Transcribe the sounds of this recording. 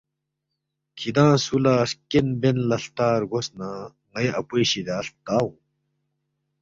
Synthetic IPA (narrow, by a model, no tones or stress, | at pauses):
kʰid̪ãːsulaːskenbenlɐɬt̪aːɾɡosnã | ŋɐjʔɐpoɕid̪aːɬt̪aːwũ